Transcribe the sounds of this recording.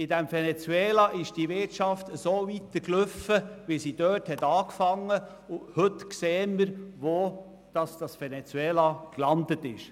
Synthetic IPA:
ɪdæmfenet͡suɛːlɑʔɪʃd̥iːʋɪʃɑftəsoːvit̪əɡlʏfəʋɪlsiːd̥øːthɛtɑːkfɑŋːə | ʊhɵt̪kseːəməɾʋoː | d̥ɑsd̥ɑsfenɛt͡suɛːlɑklɑnd̪ətɪʃ

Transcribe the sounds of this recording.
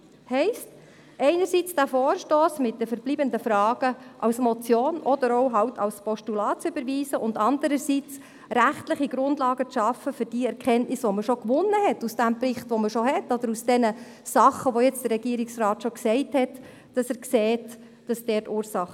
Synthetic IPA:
hɛɪst | ɛɪnəɾsit͡sd̥æfoːɾʃtoːsmɪt̚dəfəɾb̥liːbəndəfɾɑːɡ̥əʔɑwsmɔt͡sjoːnʔɔd̪̥əɾɔʊɦɑwtʰɑwspɔʃtulɑːt̚t͡sʏbəɾʋiːsəʔʊndɑndəɾəɾsit͡s | ɾæχtlɪχiɡɾʊndlɑːɡət͡sʃɑfəfʏɾd̥iːɛɾkχɛntnɪsʋɔməʃɔkʋʊnːəhɛtusd̥æmbɾɪχtʋɔməʃɔɦɛtːɔd̥̪əɾusd̥ɛnə | sɑχəʋɔjɛt͡sd̥əɾɛɡiːɾɪksrɑːtʃɔksɛɪthɛt | d̥ɑsəɾkseːt | d̥ɑsd̥ɛtuːɾsɑχ

